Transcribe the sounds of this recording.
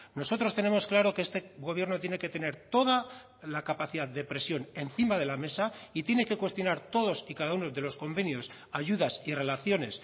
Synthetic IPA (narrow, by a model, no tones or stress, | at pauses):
no̞so̞t̪ɾo̞st̪e̞ne̞mo̞sklaɾo̞keest̪e̞ɣo̞β̞je̞ɾnot̪jene̞ke̞t̪e̞ne̞ɾt̪o̞ða | lakapaθiðaððd̪e̞pɾe̞sjo̞ne̞n̟θimaðe̞lame̞sait̪je̞ne̞ke̞kwe̞st̪jo̞naɾt̪o̞ðo̞sikaðauno̞ðe̞lo̞sko̞mbe̞njo̞s | aʝuðasire̞laθjo̞ne̞s